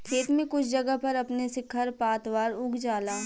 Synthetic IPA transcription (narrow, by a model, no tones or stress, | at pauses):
kʰeːt̪mẽkʊt͡ʃʰd͡ʒɐɡəɦpɐɾɐpnesekʰɐɾpaːt̪ʋaːɾʊɡd͡ʒaːlaː